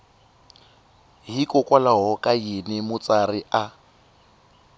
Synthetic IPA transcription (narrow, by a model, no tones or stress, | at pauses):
ɦikʼɔkʼwalaɦɔkʼajinɛmʊt͡sʼarɪʔa